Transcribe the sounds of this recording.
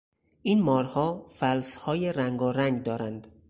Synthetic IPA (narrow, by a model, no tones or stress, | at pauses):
ʔiːnmɒːɾhɒːfælshɒːjeɾæŋɡɒːɾæŋɡd̪ɒːɾænd̪